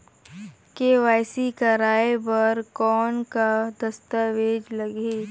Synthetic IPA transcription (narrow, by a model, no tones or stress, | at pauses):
keʋaːɪsikɐɾaːebɐɾkɔːnkad̪ɐst̪aʋeːd͡ʒlɐɡeː